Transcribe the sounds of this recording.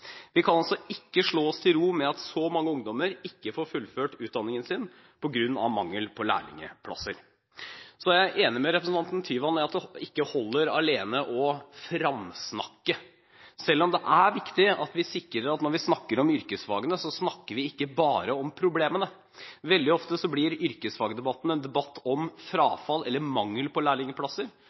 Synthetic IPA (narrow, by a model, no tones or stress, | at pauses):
ʋɪkʰɑnɑlsɔɪkːəʂɭoːɔst̪ʰɪlɾuːmɛɑt̪sɔmɑŋːəʊŋd̪ɔməɾɪkːəfoːɾfʉlːføːʈʉːt̪̚d̪ɑnːɪŋənsɪn | pʰɔɡɾʉnːɑ̰ʋmɑŋːəlpʰɔlæ̰ːɭɪ̰ŋə̰pʰlɑ̰səɾ | sɔjæɪʔeːnɪmɛɾɛpɾəsn̩ɑnt̪nt̪ʰyːʋɑnæɑt̪̚d̪ɪkːəhɔlːəɾɑleːnəʔɔfɾɑmsnɑ̰kːə | sɛlːɔmd̪ɛʔæɾʋɪkt̪ɪɑt̪ʋɪsɪkːɾəɾɑt̪nɔɾʋɪsnɑkːəɾɔmʏɾkəsfɑ̰ːɡənəsɔsnɑkːəɾʋɪɪkːəbɑːɾəɔmpʰɾʊbleːmənə | ʋɛld̪ɪɔft̪əsɔblɪɾʏɾkəsfɑːɡəd̪ɛbɑt̪ːn̩ɛnd̪ɛbɑt̪ːɔmfɾɑːfɑlːɛ̰lːəɾmɑŋːəlpʰɔlæːɭɪŋəpʰlɑsəɾ